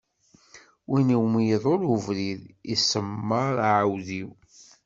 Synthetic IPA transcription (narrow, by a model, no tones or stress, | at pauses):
winiwmjəðˤoɾuvɾiðisəmːəɾˤaʕawðiw